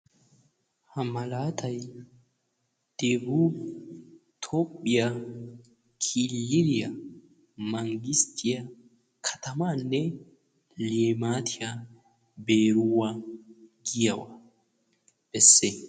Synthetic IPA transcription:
hɐmɐlaːt̪ʰɐj | d̪̥eːbuː | t̪ʰo̞ːpʼːɪjɐ | kʰiːlːɪɾɪjɐ | mɐŋɡɪst̪ʰɪjɐ | kʰɐ̥t̪ʰɐmaːnːɛ | leːmaːt̪ʰɪjɐ | beːɾʊwːɐ | ɡɪjɐwɐ | b̥ɛsːe

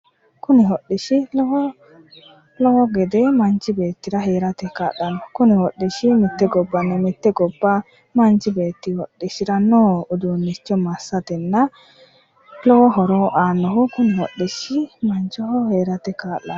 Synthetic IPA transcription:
kʊnɪhɔɗːɪʃɪlɔɔ | lɔwɔɡɛd̪ɛmɐnt͡ʃːɪbe̞ːt̪ːɪɾɐɦe̞ːɾɐt̪ɛkaːɗɐnɔkʊnɪwɔɗːɪʃɪmɪt̪ːɛɡɔbːɐnːɛmɪt̪ːɛɡɔbːɐ | mɐnt͡ʃːɪbe̞ːt̪ːɪwɔɗːɪʃɪɾɐnoːʊd̪unːɪt͡ʃːɔmɐsːɐt̪ɛnːɐ | lɔwɔɦɔɾɔʔaːnːɔhʊkʊnɛwɔɗːɪʃɪmɐnt͡ʃːɔhɔheːɾɐt̪ɛkaːʔːɐ

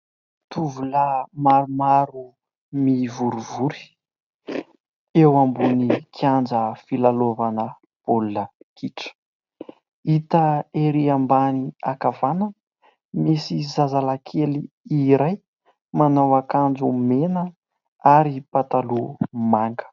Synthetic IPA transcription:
t̪uvuləmaɾumaɾu | mivuɾuvuɾi̥ | ewambunikʰjand͡zəfilalovanə | b̥olunəkʰiʈ͡ʂə̥ | it̪əeɾiambaniakavanə | misizazalakʰeli | iɾaj | manawakand͡ʒumenə | aɾipat̪alumaŋɡə̥

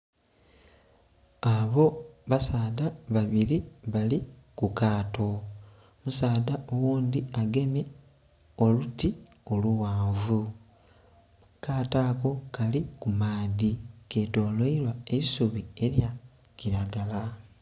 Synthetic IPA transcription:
aβo̞βasaːdaβaβiɾiβali | kukaːto̞ | musaːdaowuːnd̪iaɡe̞me | o̞luti | o̞luwaːvu | kaːtako̞kalikumaːdikeːto̞ːloilwaeisuβie̞ɾja | ciɾaɡala

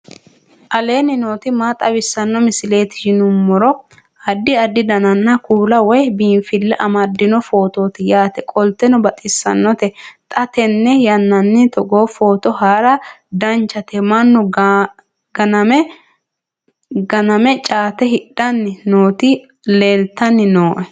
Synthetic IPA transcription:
ʔɐle̞ːnɪno̞ːt̪ɪmaːt̪ʼɐbɪsːɐnːɔmɪsɪle̞ːt̪ɪ̥ʃɪnʊmːɔɾɔ | ɐd̪ːɪɐd̪ːɪd̪ɐnɐnːɐkuːlɐwɔjbiːnfɪlːɛʔɐmɐd̪ːɪnɔfo̞ːt̪o̞ːt̪ɪjaːt̪ɛkʼɔlt̪ɛnɔbɐt̪ʼɪsːɐ̰nːɔt̪ɛt̪ʼɐt̪ɛnːɛjɐnːɐnːɪt̪ɔɡoːfo̞ːt̪ɔhaɾɐd̪ɐnt͡ʃːɐt̪ɛmɐnːɔ | ɡɐnɐmɛ | ɡɐnɐmɛt͡ʃʼaːt̪ɛɦɪɗːɐnːɪnoːt̪ɪ | leːlt̪ːɐnːɪnoːʔɛ

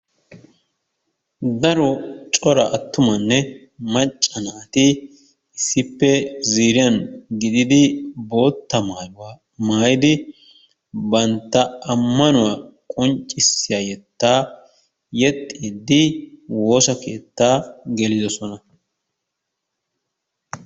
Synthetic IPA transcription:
d̪ɐɾɔt͡ʃʼɔɾɐʔɐt̪ːʊmɐnːɛ | mɐt͡ʃʼːɐnaːt̪ɪ | ɪsːɪpːɛziːɾɪjɐnɡɪd̪ɪd̪ɪbo̞ːt̪ːɐj | maːjɪd̪ɪ | bɐnt̪ːɐɐmːɐnʊwaːkʼɔnt͡ʃʼːɪsːɪjaːjɛt̪ːaː | jɛt̪ʼːiːd̪ːɪwo̞ːsɐke̞ːt̪ːaːɡɛlɪd̪ɔsɔnɐ

